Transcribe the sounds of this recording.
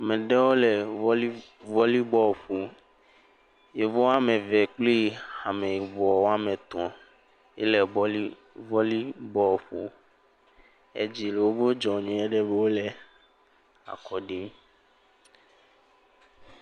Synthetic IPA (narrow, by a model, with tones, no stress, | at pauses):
a˨mɛ̃˨ɖɛ˦wo˦lɛ˨˦ | vɔ˦li˦bɔ˦˨ɸo˨ | je˨vɔ˦wa˦mẽ˨vɛ˨k͡pli˦˨a˨mɛ̃˨je˨vɔ˨wo˦a˦mɛ̃˨t̪ɔ̃˨ | ɛ̰˦lɛ˨bɔ˦li˦ | vɔ˦li˦bɔ˦˨ɸo̰˨ | ḛ˦d͡ʑi˨le˨wo˦bo˦d͡ʒɔ˨ɲɔ̃˨ɛ˦ɖɛ˦be˦wo˦lɛ˨ | a̰˨kʰɔ˨ɖi˦m